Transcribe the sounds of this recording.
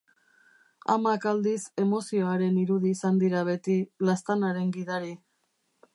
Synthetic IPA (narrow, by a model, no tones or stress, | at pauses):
a̰makald̪ise̞mo̞sio̞aɾe̞niɾuðiːsand̪iɾaβ̞e̞t̪ilast̪anaɾe̞ŋɡiðaɾi